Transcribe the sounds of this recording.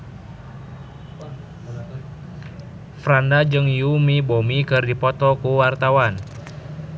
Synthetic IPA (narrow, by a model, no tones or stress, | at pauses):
fɾandad͡ʒɨŋjumibomikɨrdipɔt̪ɔkuwart̪awan